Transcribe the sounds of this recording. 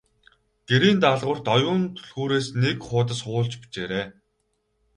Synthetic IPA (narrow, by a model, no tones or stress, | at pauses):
ɡ̥eɾiːnt̪aɮʁʊ̆r̥t̪ɔjʊːnt̪ʰɵɮxuːɾeːsnekχʊːt̪̬ə̆sχʊːɮt͡ɕpi̥t͡ɕeːɾeː